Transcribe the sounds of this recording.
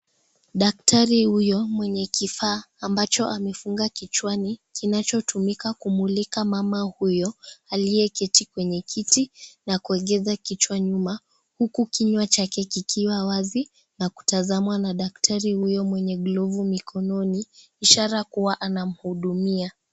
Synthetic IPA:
ɗak̚taɾihujɔmwɛɲɛkifaːmbat͡ʃɔʔamɛfuŋɡakit͡ʃwanikinat͡ʃɔtʰumikakumulikamamahujɔaliɛkɛtikwɛɲɛkʰitinakuɛɠɛzakit͡ʃwaɲuma | hukukiɲwat͡ʃakɛkikʰiwawazi | naku̥tazamwanaɗak̚tʰaɾihujɔmwɛɲɛɡlɔvumikʰɔnɔni | iʃaɾakuwaʔanam̩huɗumia

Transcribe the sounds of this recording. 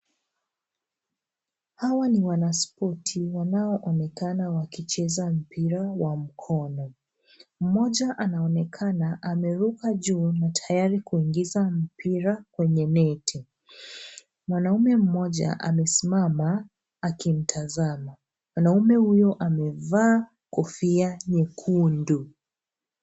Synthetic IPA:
hawaniwanaspɔtʰiwanaɔʔɔnɛkanawakit͡ʃɛzam̩piɾawam̩kʰɔnɔ | m̩mɔʄaʔanaɔnɛkʰanaʔamɛɾukaʄuːnatʰajaɾikuiŋɡizam̩pʰiɾakwɛɲɛnɛtʰi | mwanaumɛm̩mɔʄa̰ʔa̰mɛsimamaː | kim̩tʰazama | mwanaumɛhujɔʔamɛvaː | kɔfiaɲɛkʰundu

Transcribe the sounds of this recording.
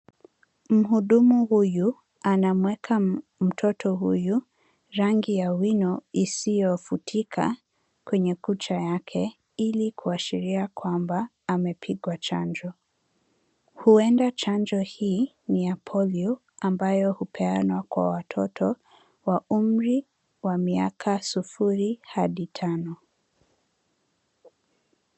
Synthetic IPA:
m̩ɦuɗumuhuju | anamwɛkʰam̩tʰɔtʰɔɦṵju | ɾaŋɡijawinɔisijɔfutʰikʰa̰ | kwɛɲɛkut͡ʃajakʰɛ | ilikʰuaʃiɾiakwambaː | mɛpʰiɠwat͡ʃaɲd͡ʒɔ | huɛndat͡ʃand͡ʒɔhiː | niapʰɔliɔ | ambajɔhupʰɛanwakwa̰watʰɔtʰɔ | waum̩ɾi | wamiakʰasufuɾihaɗitʰanɔ

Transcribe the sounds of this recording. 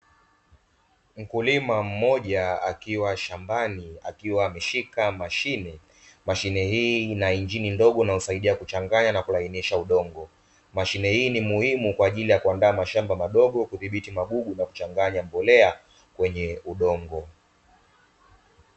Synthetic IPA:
m̩kulimam̩mɔʄaakiwaʃambania̰kiwaːmɛʃikamaʃinɛ | maʃinɛhiːnaiɲd͡ʒinindɔɠɔnausaiɗiakut͡ʃaŋɡaɲanakulainiʃauɗɔŋɡɔ | maʃinɛhiːnimuhimukwaːʄilijakuandaːmaʃambamaɗɔɠɔkuðiɓitimaɡuɡunaku̥t͡ʃaŋɡaɲambɔlɛa | kwɛɲɛuɗɔŋɡɔ

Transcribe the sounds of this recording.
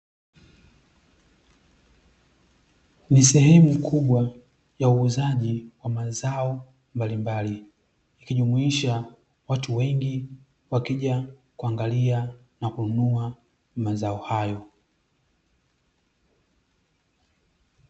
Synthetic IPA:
nisɛhɛmukʰuɓwa | jauːzaʄiwamazaɔ | mbalimbaliː | kiʄumuiʃa | watuwɛŋɡi | wakiʄa | kuaŋɡalia | nakununua | mazaɔhajɔ

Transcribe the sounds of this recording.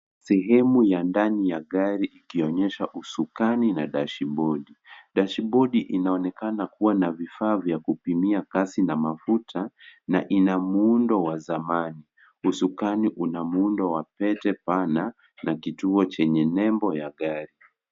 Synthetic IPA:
sɛɦɛmujandanijaɠaɾiʔikiɔɲɛʃaʔusukaninaɗaʃiɓɔɗiɗaʃiɓɔɗiʔinaɔnɛkanakuwanavifaːvjakupimiakasinamafutʰanaʔinamuundɔwazamani | usukaniʔunamundɔwapɛtɛpana | nakituɔt͡ʃɛɲɛnɛmbɔjaɠaɾi

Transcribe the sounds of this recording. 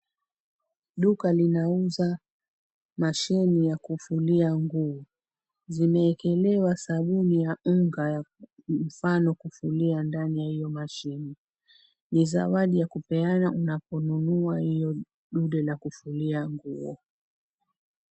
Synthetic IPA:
ɗukalinauza | maʃɛnijakufuliaŋɡuɔ | zimɛːkɛlɛwasaɓunijaŋɡajam̩fanɔkufuliandanijahijɔmaʃini | niza̰waɗijakupɛanaʔunapɔnunuahijɔ | ɗuɗɛlakufuliaŋɡuɔ

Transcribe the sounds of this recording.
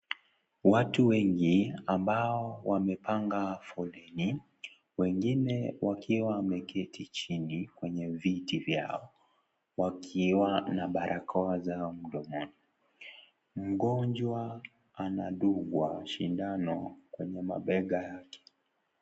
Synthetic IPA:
watuwɛŋɡiambaɔwamɛpaŋɡafɔlɛni | wɛŋɡinɛwʔakʰiwamɛkʰɛtʰit͡ʃinikwɛɲɛvitivja̰ɔ | wakʰiwanaɓaɾʔakʰɔazaɔm̩ɗɔmɔni | m̩ɡɔɲd͡ʒwa | anaɗuɡwaʃindanɔkwɛɲɛma̰ɓɛɠajakʰɛ̥

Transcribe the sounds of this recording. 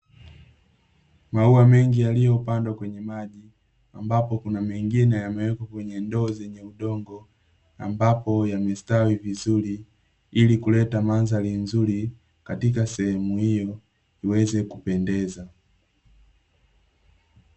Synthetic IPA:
mauamɛŋɡijalijɔupandwakwɛɲɛmaʄi | ambapɔkunamɛŋɡinɛjamɛwɛkɔkwɛɲɛndɔːzɛɲɛuɗɔŋɡɔ | ambapɔjamɛstawivizuli | ilikulɛtamanzalinzuli | katikasɛhɛmuhijɔ | iwɛzɛkupɛndɛza

